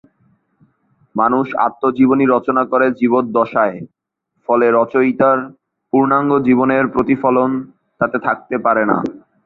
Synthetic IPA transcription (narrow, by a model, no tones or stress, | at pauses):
manuʃa̰t̪ːod͡ʑiboniɾɔt͡ɕonakoɾed͡ʑibot̪̚d̪ɔʃae | fɔleɾɔt͡ɕojt̪aɾ | puɾnaŋɡod͡ʑiβoneɾpɾot̪ifɔlon | t̪at̪et̪ʰak̚t̪epaɾena̰